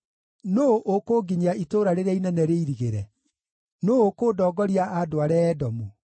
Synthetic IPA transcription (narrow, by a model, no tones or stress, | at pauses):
noʔokoːɡiɲaitoɾaɾeɾainɛnɛɾeiɾiɣeɾɛ | nookoːdɔːɡɔɾiaadoaɾɛːdɔmu